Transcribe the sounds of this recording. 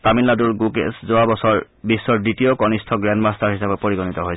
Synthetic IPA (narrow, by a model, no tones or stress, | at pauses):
tamiladuɹɡukḛszoabɔsɔɹ | bisːɔɹditiokɔnistʰɔɡɹɛndmastaɹɦisapɛpoɹiɡɔnitɔɦojsʰ